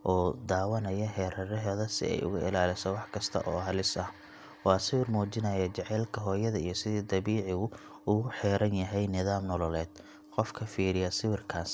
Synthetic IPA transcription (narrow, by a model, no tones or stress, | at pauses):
ʔɔːd̪aːwɐnɐjɐɦɛːɾɐɾɛɦɛðɐsɪ̰ɛ̰jʊ̰ɣʊɪ̰laːlɪsɔwɑħkʰɐst̪ʰɐ̰ʔɔːɦɐlɪsɐh | wɑːsɪwɪrmɔːt͡ʃɪnɐjɐt͡ʃɛʕɛlkʰɐɦɔːjɐðɐijɞsɪðiːd̪ɐβiːʕɪɣʊ | ʊɣʊħɛːɾɐnjɐɦɛjnɪðaːmnɔlɔlɛːd̪̥̚ | qɔfkʰɐfiːɾɪjɐsɪwɪrkʰaːs